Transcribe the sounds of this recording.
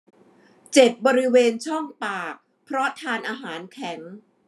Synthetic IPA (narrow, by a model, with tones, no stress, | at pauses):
t͡ɕe˨˩t̪̚bɔː˧ɾi˦˥weː˧nt͡ɕʰɔ˥˩ŋpaː˨˩k̚ | pʰɾɔ˦˥t̪ʰaː˧nʔaː˧ɦaː˩˦nkʰɛ˩˦ŋ